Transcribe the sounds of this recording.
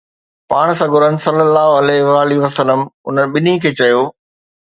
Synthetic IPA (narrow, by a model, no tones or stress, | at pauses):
paːɽ̃sɐɡʱʊɾənɪ̆sɐlːəlːaːɦʊɐlɛɦʋaːliʋɐsələmʊ̰nəɓɪnikʰeːt͡ɕɐjoː